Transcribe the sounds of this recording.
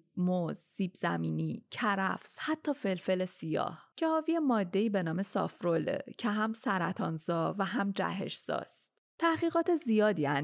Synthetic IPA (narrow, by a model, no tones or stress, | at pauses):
moz̥ːiːbz̥æmiːniːcʰæɾæ̰fshæt̪ʰːɒːfe̞lfe̞lesijɒ̰ːhcʰe̞hɒːvijemɒːd̪ːe̞iːbe̞nɒːme̞sɒ̰fɾolḛcʰeɦæmsæɾæt̪ʰɒnzɒːvæɦæmd͡ʒæ̰ɦe̞̰ʃz̥ɒ̰ːst̪ | t̪ʰæhɣiːɣɒːt̪ʰe̞zijɒːd̪iːæn